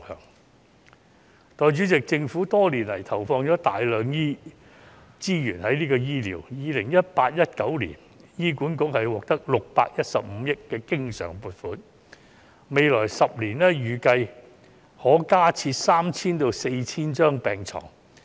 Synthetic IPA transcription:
hœ̰ː˨˩ŋ | t̪ɔː˨˧jt͡ʃyː˨˥t͡sɪ˨k̚t͡sɪ˧ŋfu˨˥t̪ɔː˥liː˨˩nlɐ˨˩jt̪ʰɐ˨˩wfɔː˧ŋt͡sɔː˨˥t̪aː˨jlœː˨˧ŋjiː˥ | t͡siː˥jyː˨˩nhɐ˨˥jniː˥kɔː˧jiː˥lḭ˨˩wjiː˨˧lɪ˨˩ŋjɐ˥t̚paː˧t̚jɐ˥t̚kɐ˨˥wlḭː˨˩n | jiː˥kuː˨˥nkʊ˧˥k̚hɐ˨jwɔː˨k̚t̪ɐ˥k̚lʊ˨k̚pa̰ː˧k̚jɐ˥t̚sɐ˨p̚m̩˨˧˦jɪ˥kːɛː˧kɪ˥ŋsœ̰ː˨˩ŋpuː˨t̚fuː˨˥n | me˨˧jlɔː˨˩jsɐ˨p̚liː˨˩nɛː˥jyː˨˩kɐ˧j | hɔː˨˥kaː˥t͡sʰiː˧t̚saː˥mt͡sʰiː˥nt̪o˧wse˧jt͡sʰiː˥nt͡ʃœː˥ŋpɛː˨˩ŋt͡sʰɔ̰ː˨˩ŋ

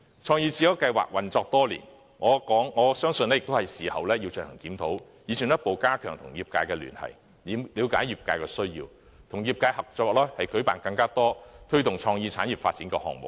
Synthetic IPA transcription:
t͡ʃʰɔː˧ŋjiː˧t͡siː˨˥jɐ˨˥wkɐ˧jwa̰ː˨k̚wɐ˨˩nt͡sɔː˧k̚t̪ɔː˥lḭː˨˩n | ŋɔː˨˧kɔː˨˥ŋŋɔː˨˧sœː˥ŋsɵ˧nlɛː˥jɪ˨k̚t̪o˥hɐ˨˩jsiː˨hɐ˨wlɛː˥jiː˧wt͡ʃɵ˧nhɐ˨˩ŋkiː˨˥mt̪ʰo˨˥wjiː˨˧sʰiː˨˩njɐ˥t̚po˨˧wkaː˥kʰœ̰ː˨˩ŋt̪ʰʊ˨˩ŋjiː˨p̚kaː˧jkɛː˧ly̰ː˨˩nhɐ̰˨˩j | li˨˧liː˨˧wkaː˨˥jjiː˨p̚kaː˧jkɛː˧sɵ˥ɥjḭː˧w | t̪ʰʊ˨˩ŋjiː˧p̚kaː˧jhɐ˨k̚t͡ʃɔː˧wɔ˨˩lɛː˥hɐ˨jkɵ˨˥ɥpaː˨˩nkɐ˧ŋkaː˥t̪ɔː˥t̪ʰɵ˥t̪ʊ˨ŋt͡ʃʰɔː˧ŋjiː˧t͡sʰaː˨˥nji˨p̚faː˧t̚t͡si˨˥nkɛː˧hɔ̰ː˨ŋ̚mʊ̰˨k̚

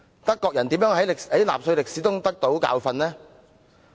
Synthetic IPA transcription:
t̪ɐ˥kːɔː˧k̚jɐ˨˩nt̪iː˨˥mjœː˨˥ŋɦɐ˨˥jkhɐ˨˥jla̰ː˨p̚sɵ˧ɥlɪ˨k̚siː˨˥t̪ʊ˥ŋt̪ɐ˥k̚t̪o˨˥wka̰ː˧wfɐ˧nlɛː˥

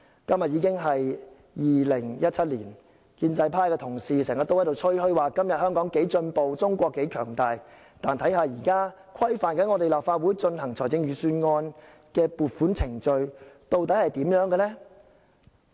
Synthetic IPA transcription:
kɐ˥mjɐ˨t̚jiː˨˧kɪ˥ŋɦɐ˨j | jiː˨lɪ˨˩ŋjɐ˥t̚t͡sʰɐ˥t̚liː˨˩n | kiː˧nt͡sɐ˧jpʰaː˥jkɛː˧t̪ʰʊ˨˩ŋsiː˨sɛː˨˩ŋjɐ˨t̪ːo˥whɐ˨˥jt̪o˨wt͡sʰt͡ʃʰɵ˥ɥhɵ˥ɥwaː˨kɐ˥mjɐ˨t̚hœː˥ŋkɔː˨˥ŋke˨˥jt͡ʃɵ˧npo˨˧wt͡sʊ˥ŋkʷɔː˧kːe˨˥jkʰœː˨˩ŋt̪aː˨˧j | t̪aː˨˩nt̪ʰɐ˨˥jɦaː˨˧jiː˨˩kaː˥ | kʰɐ˥jfaː˨˩nkɐ˨˥nŋɔ˨˧t̪e˨jlaː˨˩pfaː˧t̚wu˨˥jt͡ʃɵ˧nɦɐ˨˩ŋt͡sʰɔː˨˩jt͡sɪ˧ŋjyː˨˩syː˧nŋɔː˧n | kɛː˧puː˨t̚fu˨˥nt͡sʰɪ˨˩ŋt͡ʃɵ˧ɥt̪o˧wt̪̬ɐ˨˥hɐ˨jt̪iː˨˥mjœː˨˥ŋɡɛː˧lɛ˥

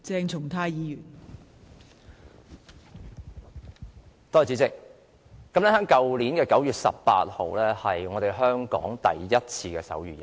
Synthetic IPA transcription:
t͡sɛː˧ŋt͡sʰʊ˨˩ŋt̪ʰaː˧jiː˨˧jyː˨˩n | t̪ɔː˥˩t͡siː˨˥t͡sɪ˥k̚ː | ɐ˨˥mlɛ˥hœː˨˥ŋkɐ˨wliː˨˥nkɛː˧kɐ˨˥wjyː˨t̚sɐ̰˨p̚pa̰ː˧t̚ho̰˨˧wlɛː˥hɐ˨jŋɔː˨˧t̪e˨jɦœː˥ŋkɔ̰ː˨˥ŋt̪ɐ̰˨jːɐ˥t̚t͡sʰiː˧kɛː˧sɐ̰˨˥wjyː˨jɐ˨˩

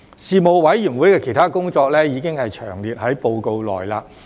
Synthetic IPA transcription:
siː˨˧mo˨˧wwɐ˨˥jjyː˨˩wuː˨˥jkɛː˧kʰe˨˩jt̪ʰaː˥kʊ˥ŋt͡ʃɔː˧k̚lɛː˥jiː˨˧kɪ˥ŋhɐ˨jt͡ʃʰœ̰ː˨˩ŋliː˨t̚hɐ˨˥jpo˧wko˨˧wlɔ̰ː˨jlaː˧

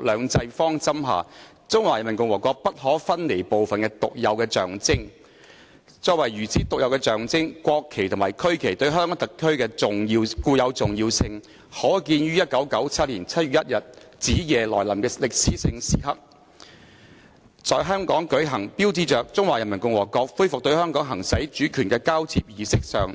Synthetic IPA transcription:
lœː˨˧ŋt͡sɐ˧jfɔː˥ŋt͡sɐ˥mɦa̰ː˨˩ | t͡sʊ˥ŋwaː˨˩jɐ˨˩nmɐ˨˩ŋkʊ˧ŋwɔː˨˩kʷɔː˧k̚pɐ˥t̚ɦɔː˨˥fɐ˥nle˨˩jpo˨wfɐ˨nkɛː˧t̪ʊ˨k̚jɐ˨˧wkɛː˧t͡ʃœ̰ː˨˩ŋt͡sɪ˥ŋ | t͡sɔː˧˥k̚wɐ˨˩jɥyː˨˩t͡siː˨˥t̪ʊ˨k̚jɐ˨˧wkɛː˧t͡ʃœː˨˩ŋt͡sɪ˥ŋkʷɔː˧kʰːe˨˩jt̪ʰʊ˨˩ŋmaː˨˩jkʰɵ˥ɥkʰe˨˩jt̪ɵ˧ɥɦœː˥ŋkɔː˨˥ŋt̪ɐ˨kʰːɵ˥ɥkɛː˧t͡sʊ˨ŋjiː˧wkuː˧jɐ˨˧wt͡sʊ˨ŋjiː˧wsɪ˧ŋ | hɔː˨˥kiː˧njyː˥jɐ˥t̚kɐ˨˥wkɐ˨˥wt͡sʰɐ˥t̚liː˨˩nt͡sʰɐ˥t̚y˨jɐ˥t̚jɐ˨t̚t͡siː˨˥jɛː˨lɔː˨˩jlɐ˨˩mkɛː˧lɪ˨k̚siː˨˥sɪ˧ŋsiː˨˩hɐ̰˧˥p̚ | t͡sɔː˨˧jɦœː˥ŋkɔː˨˥ŋkɵ˨˥ɥɦɐ˨˩ŋpiː˥wt͡siː˧t͡ʃœː˨k̚t͡sʊ˥ŋwaː˨jɐ˨˩mɐ˨˩nkʊ˧ŋwɔː˨˩kɔː˧k̚fuː˥jfʊ˨k̚t̪ɵ˧ɥhœː˥ŋkɔː˨˥ŋɦɐ˨˩ŋsɐ˨˥jt͡ʃyː˨˥kʰyː˨˩nkɛː˧kaː˥wt͡sʰiː˧p̚jiː˨sɪ˥k̚sœ̰ː˨ŋ

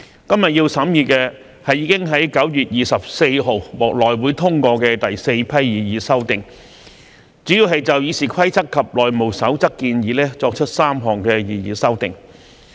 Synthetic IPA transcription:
kɐ˥mjɐ˨t̚jiː˧wsɐ˨˥mjiː˨kɛː˧ | hɐ˨jiː˨˧kɪ˥ŋɦɐ˨˥jkɐ˨˥wjyː˨˩t̚jiː˨˩sɐ˨p̚se˧jɦo˨wwɔː˨˩k̚lɔː˨˩jwuː˨˥jt̪ʰʊ˥ŋkɔː˧kɛː˧t̪ɐ˨jse˧jpʰɐ˥jːiː˨jiː˨˥sɐ˥wt̪ɪ˨˩ŋ | t͡syː˨˥ji˨˧wɦɐ˨jt͡sɐ˨wjiː˨˧siː˨˩kʰɐ˥jt͡sʰɐ˥kʰːɐ˨p̚lɔː˨jmo˨˩wsɐ˨˥wt͡sɐ˥kːiː˧njiː˨˥lɛː˥t͡sɔː˧k̚t͡ʃʰɵ˥t̚saː˥mɦɔː˨ŋkɛː˧jiː˨jiː˨˥sɐ˥wt̪ɪ˨˩ŋ

